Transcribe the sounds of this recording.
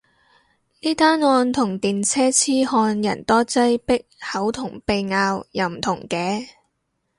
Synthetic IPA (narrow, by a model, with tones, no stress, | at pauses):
niː˥t̪aː˥nŋɔː˧nt̪ʰʊ˨˩ŋt̪iː˨nt͡sʰɛː˥t͡sʰiː˥hɔː˧njɐ̰˨˩nt̪ɔː˥t͡sɐ˥jpɪ˥k̚hɐ˨˥wt̪ʰʊ˨˩ŋpe˧jŋaː˧wjɐ˨˧wm̩˨˩t̪ʰʊ˨˩ŋkɛː˨˧